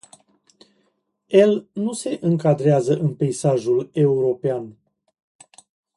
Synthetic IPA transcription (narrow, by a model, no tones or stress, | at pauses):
je̞lnuse̞ʔɨŋkad̪ɾeazəʔɨnpe̞isaʒule̞uɾo̞pean